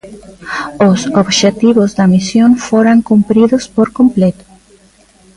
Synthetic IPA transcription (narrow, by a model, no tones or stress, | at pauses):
osoβʃet̪iβozðɐmisjoŋfoɾaŋkumpɾiðʊspoɾkomplet̪ʊ̥